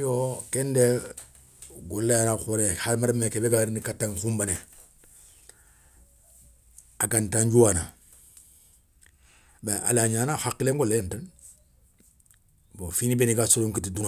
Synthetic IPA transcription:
jokende | ɡolːajanaxoɾehaɾmaɾmekebeɡaɾnikatːaŋkumbane | aɡantaɲɟuwana | baʔa̰laɲaːnahakːileŋɡolejentan | bofinibeniɡasoloŋkitidun

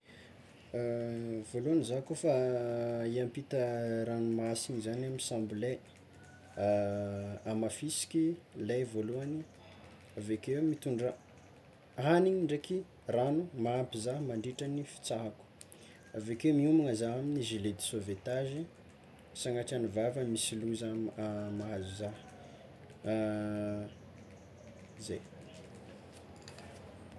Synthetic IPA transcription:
voluanizaɦkofa | iampit̪əɾanumasiɲizanamisãmbule | amafisi̥kʲilajvoluani | avekewmit̪uɳɖ͡ʐə | aniɲiɳɖ͡ʐeki | ranumaapizaɦmaɳɖ͡ʐiʈ͡ʂanifi̥t͡saɦaku̥ | avekewmiumaŋazaɦaminiʒiled̪i̥sovet̪aʒi | saŋaʈ͡ʂianuvavəmisiluzamaɦazuzaɦ | zej

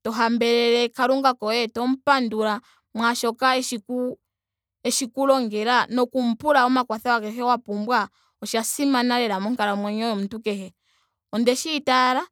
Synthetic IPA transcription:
tɔɦambɛɾɛɾɛkaɾuŋɡakɔɛtɔm̩panduɾa | mwaʃɔkaɛʃiku | ɛʃikulɔŋɡɛɾanɔkum̩puɾaɔmakwaθawakɛhɛwapumbwa | ɔʃasimanaɾɛɾamɔŋkaɾamwɛɲɔjɔm̩tukɛhɛ | ɔndɛʃiːtaɾa

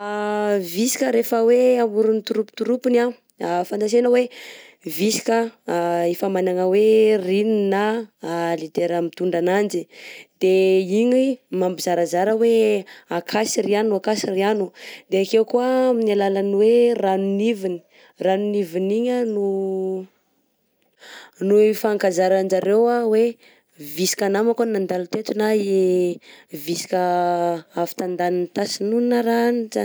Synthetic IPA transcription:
visi̥kəɾefəweamuɾunit̪uɾupi̥t̪uɾupina | afand̪as̬enəwe | visi̥kəefamanaŋəwerinina | lid̪eɾamit̪uɳɖ͡ʐanand͡ʒid̪̥eiɲimambizaɾazaɾəweakʰasirianuakasirianud̪eakewkuəminalalanweranunivini̥ | ranuniviniɲənu | nuifaːŋkazaɾand͡ʒaɾewawe | visi̥kanamakanand̪alut̪et̪unae | visi̥kə | afi̥t̪and̪anint̪asinunnaɾanza

